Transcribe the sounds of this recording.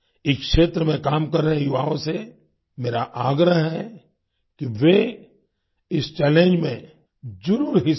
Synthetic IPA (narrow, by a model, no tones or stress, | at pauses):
ɪkʃeːt̪ɾəmẽkaːmkɐɾːəɦẽjʊʋaːõse | meːɾaʔaːɡɾəɦɦɛ | kiʋe | ɪst͡ʃɛːlẽːnd͡ʒmẽ | d͡ʒʊɾuːɾɦɪ